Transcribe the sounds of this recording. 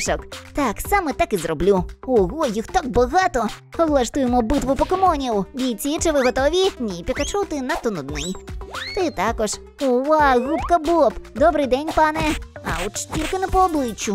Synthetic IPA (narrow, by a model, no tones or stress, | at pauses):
ʂɔkt̪aksamɛt̪akɨzrɔblʲuɔɣɔjixt̪aɡ̚bɐɣat̪ɔ | ɔwlˠɐʂt̪ujɛmɔbɨt̪ʋupɔkɔmɔnʲiwd̪ʲit͡sʲit͡ʂɨvɨɣɔt̪ɔvʲinʲipʲɛkat͡ʂɔwt̪ɨnɐt̪ɔnɔd̪̚nɪjt̪ɨt̪akɔʂ | ɔwaɣupkɐbɔpd̪ɔbɾɨd̪ɛnʲpanɛɐ̰wt͡ʂtʲirʲkɐnɐpɔɔblˠɨt͡ʃːu